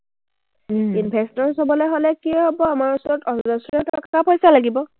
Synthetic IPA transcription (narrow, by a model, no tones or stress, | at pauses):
inpʰɛstɔɹsɦɔbɔlɛɦolɛkiɔɦɔbɔamaɹusɔɹɔtɔzɔsuɹɛtɔkkapojsalaɡibɔ